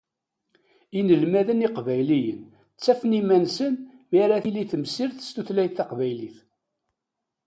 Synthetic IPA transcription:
inəlmæðəniqvæjlijən | t͡sːæfənimænsən | miɾæθiliθəmsiɾθə̥st̪uθlæjθɑqvæjliθ

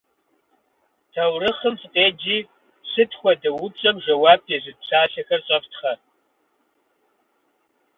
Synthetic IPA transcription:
tʰɐwrɨχəmsʼqʼeːd͡ʒiː | ɕɨtʰxʷɔdɐwʊpɕʼɐmʒɐwaːb̚ezɨɕʰaːɬɐxɐrɕʼɐftʰχɐ

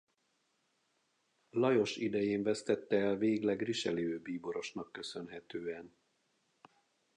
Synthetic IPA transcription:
lɒjo̞ʃid̪ɛjeːɱvɛst̪ɛt̪ːɛːlveːɡlɛɡriʃɛliøːbiːboɾo̞ʃnɒkːø̞sø̞nɦɛt̪øːɛn

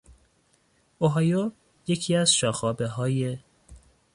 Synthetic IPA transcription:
oɦɑjo | je̞cʰiːæzʃɒːxɒːbeɦɒːje

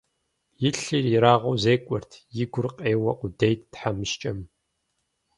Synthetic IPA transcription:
jɪɬirjɪɾaːʁɐwzeːkʷʼɔrtʰjɪɡʷʊrqʼeːwɐʔʷʼʊdejt̚ʰtħamɨʃt͡ʃʼɐm

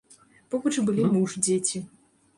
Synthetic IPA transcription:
pɔbɐt͡ʂɨbɨlʲimuʐd͡zʲet͡sʲi

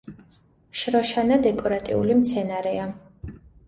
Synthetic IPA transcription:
ʃɾɔʃanad̪ɛkʼɔɾat̪ʼḭulimt̪sʰɛnaɾɛa

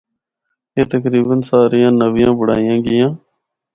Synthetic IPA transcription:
eːt̪əkɾiːbənsaːɾijãːnəʋijãːbʊɽa̰ːɪjãːɡɪjãː

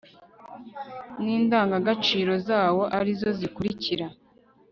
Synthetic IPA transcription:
niːndaːŋɡaɡat͡ʃiːɾo̞zaːwo̞ʔaɾizo̞zikuɾiciɾa

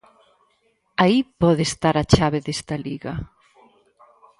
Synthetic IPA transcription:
aipɔðest̪aɾat͡ʃaβeðest̪aliɣɐ

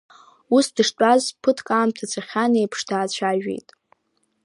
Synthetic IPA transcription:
usdɨʂt͡ʃʷʼazpʰɨtʰkʼaːmtʰat͡sʷʰaχʲanejpʰʂtʰaːt͡ɕʷʰaʒᶣḛjtʼ

